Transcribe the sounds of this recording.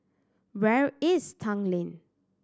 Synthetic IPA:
wɛɹɪstʰãŋlĩn

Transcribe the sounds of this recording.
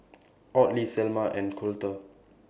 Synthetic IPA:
ʔɔtlisɛlmaʔɛ̃nkʰultə

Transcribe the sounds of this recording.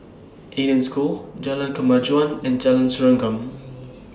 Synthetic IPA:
ʔeɾə̃nskuld͡ʒalə̃nkəmad͡ʒuãnɛ̃nd͡ʒalə̃nsuɹãŋɡə̃m

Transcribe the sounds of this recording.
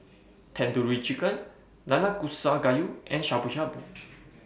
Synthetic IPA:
t̪ʰɛnd̪uɾuit͡ʃikʼən | nanakʼusːaɡajuɛnʃapuʃabu

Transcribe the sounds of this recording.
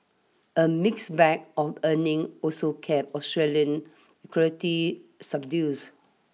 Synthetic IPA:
ʔəmɪksbɛk̚ɔfənɪ̃ŋɔsokʰɛp̚ɔstɹeliə̃n | ɛkʰɔitisab̚djus

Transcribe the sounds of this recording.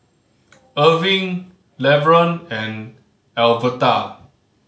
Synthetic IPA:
əvĩŋ | lɛvɹə̃nɛ̃n | ɛlvəta

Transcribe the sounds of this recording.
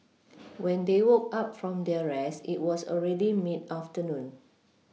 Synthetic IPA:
wɛ̃ndewok̚ap̚fɹɔ̃mdɛəɹɛsḭt̚wɔsɔ̰lɹɛdimitaftənũn

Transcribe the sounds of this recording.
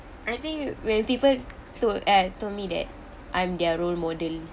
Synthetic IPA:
ʔajt̪ĩŋkwɛ̃npipəl | tukatolmidɛ̰t̚ | ʔãjmdɛɹolmɔdəl

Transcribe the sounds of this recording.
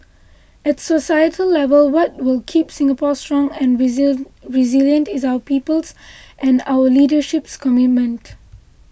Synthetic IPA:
ɛtsosajətʰəlːɛvəlwɔt̚wɪlkʰipsɪ̃ŋəpɔstɹɔ̃ŋɛ̃n | ɹiziljə̃ntɪzaʊəpiːpəlsʔɛ̃na̰wəlidəʃɪpskʰɔmɪt̚mə̃nt

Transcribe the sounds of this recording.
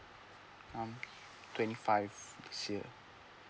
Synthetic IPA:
ãm | t̪wɛ̃nifajvd̪isḛ

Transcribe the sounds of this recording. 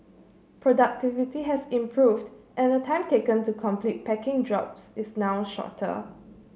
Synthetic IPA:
pʰɹɔdak̚tivitiɦɛsĩmpʰɹuvdʔɛ̃nətʰãɪ̃mtekə̃ntukʰɔ̃mplit̚pɛkɪ̃ŋdɹɔ̰psɪsnawʃɔ̰tʰə̰

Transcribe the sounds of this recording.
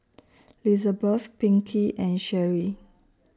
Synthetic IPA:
lizəbəθpĩŋkʰiʔɛ̃nʃɛɹi

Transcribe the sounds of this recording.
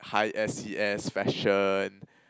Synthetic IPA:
haɪʔɛsiɛsfɛʃən

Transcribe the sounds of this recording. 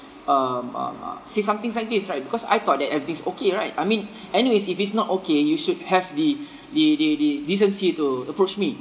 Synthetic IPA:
ʌmʌ̰m̰sesãmt̪ɪ̃ŋslaɪk̚disɹaɪt̚bikɔsa̰jt̪ɔt̚dɛtɛvɹit̪ĩŋsokeɹaɪt̚ajmĩn | ɛniwesifitsnɔtokejuʃud̚hɛvdi | dədədidis̬ə̃nsituəpɹot͡ʃmi

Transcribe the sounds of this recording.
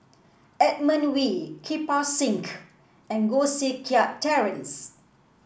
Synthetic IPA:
ɛt̚mə̃nwikʰipasĩŋk | ɛ̃nɡosikʰiaʔtʰɛɹə̃ns

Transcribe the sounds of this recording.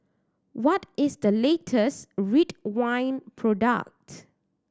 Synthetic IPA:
wɔtɪsd̪əletʰəsɹitwãɪ̃npʰɹɔda̰k̚t

